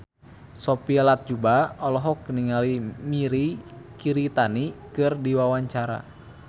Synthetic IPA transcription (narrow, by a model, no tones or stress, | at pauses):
sɔpialat̪̚d͡ʒubaɔlɔɦɔkniŋalimiɾikiɾit̪anikɨrdiwawaɲt͡ʃaɾa̰